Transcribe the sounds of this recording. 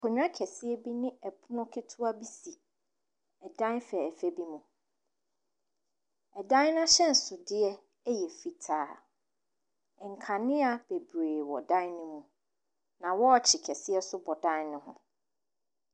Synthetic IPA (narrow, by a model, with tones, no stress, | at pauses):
kʰɔ˨ɲᶣ˦ã˦kʰɛ˨sɪ˦ɛ˦bi˦nɪ̃˦ɛ˨pʰu˦nɔ̃˦kʰɪ˦tʰʊ˦a˦bi˦si˨ | ɛ˨dã˦n˦fɛ˨ɛ˨fɛ˦bi˦mũ˨ | ɛ˨dã˦n˦nã˦ɕɛ̃˦˨n˨sʊ˨dɪ˦ɛ˦ | ɛ˦jɛ˨fi˨tʰaː˨˦˨ | ŋ̩˨kʰa˨nɪ̃˦a˨b̥e˨beː˨wɔ̰˨dã˦nnɪ̃˦mũ˨ | nã˨wɔ˦ɔ˨t͡ɕʰɪ˨kʰɛ˨sɪ˦ɛ˦sʊ˦bɔ˨dã˦nnʊ̃˦hʊ̰̃˨